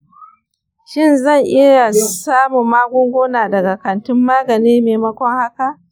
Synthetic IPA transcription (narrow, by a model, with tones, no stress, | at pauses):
ʃɪ˦˨nzɐ˦˨ŋʔɪ˦ɽa˨su˨saː˦mʊː˨aː˦ɡʷʊ˦ŋɡʷoː˦naː˨dɐ˨ɡa˨kɐ˨ntɪ˦mːaː˦ɡɐ˨niː˦meː˨mɐ˦kʷɔ˦ŋha˦ka˨ʔ